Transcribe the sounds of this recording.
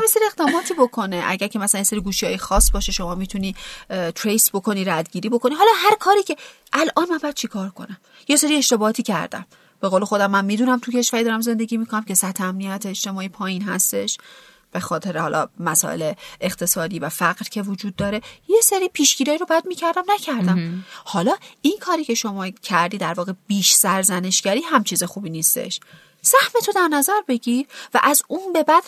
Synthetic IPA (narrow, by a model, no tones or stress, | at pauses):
mjeseɾieɣd̪ɒːmɒːt̪ʰiːbo̞kʰo̞ne̞ʔæ̰ɟæɾcʰemæsælænjeseɾiɡuːʃiɒːjexɒːsːbɒːʃeʃo̞mɒːmit̪ʰuniːt̪ʰɾejsbo̞kʰo̞niːɾæd̪ɟiːɾiːbo̞ko̞niːɦɒːlɒːɦæɾkʰɒːɾiːcʰe̞ | ʔælʔɒːnmænmbɒjæd̪̥̚t͡ʃʰekʰɒːɾkʰo̞̰næm | jeseɾie̞ʃt̪e̞bɒɒːt̪ʰiːcʰæ̰ɾd̪æ̰m | b̥e̞ɣoːlexo̞d̪æmːænmiːd̪uːnæmt̪ʰuce̞ʃvæɾid̪ɒːɾæmze̞nd̪e̞ɟʲimikʰonæmce̞sæt̪ʰːeæmnijæt̪ʰeːt͡ʃt̪e̞mɒːiːpʰɒːjinɦæst̪e̞ʃ | b̥e̞xɒːt̪ʰe̞ɾehɒ̰lʔɒ̰mæsɒ̰ːʔe̞̰leeχt̪ʰe̞sɒːd̪iːvæfæɢɾcʰe̞vod͡ʒuːd̪̚ːɒːɾe̞je̞seɾiːpʰiːʃɡiːɾɒːiɾobæd̪̚miːcʰæɾd̪æmnæcʰæɾd̪æmmhɒlɒːʔinkʰɒːɾiːcʰe̞ʃo̞mɒːcʰæɾd̪iːd̪æɾvɒːɣe̞b̥iːʃsæɾzæne̞ʃɡæɾiːɦæmt͡ʃʰiːzexuːbiːniːst̪e̞̰ʃ | sæhmet̪ʰo̞d̪æɾnæzæɾbe̞ɟiɾvæ̰ʔæzunbe̞bæd̪̥